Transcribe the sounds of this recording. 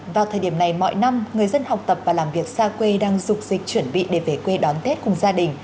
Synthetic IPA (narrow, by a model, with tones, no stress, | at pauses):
vaː˨˩wt̪ʰəː˨˩jɗi˧˩əmna˨˩jmɔ̰˧˨jna˧mŋɨ˨˩əjzə˧nha˨˩wk͡p̚t̪ə˨˩p̚vaː˨˩laː˨˩mvi˨˩ək̚saː˧kwe˧ɗaː˧ŋzʊ˨˩k͡p̚zï˨˩k̟̚t͡ɕwə˧˩nɓḭ˧˨ɗe˧˩ve˧˩kwe˧ɗɔ˨˦nt̪e˦˥t̚kʊ˨˩ŋ͡mzaː˧ɗï˨˩ŋ̟